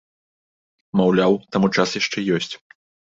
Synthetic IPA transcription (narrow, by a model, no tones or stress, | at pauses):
mawlʲawt̪amut͡ʂasjaʂt͡ʂɛjɔsʲt͡sʲ